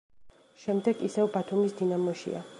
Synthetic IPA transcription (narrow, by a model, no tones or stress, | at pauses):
ʃɛmd̪ɛɡisɛvbat̪ʰumisd̪inamɔʃḭa̰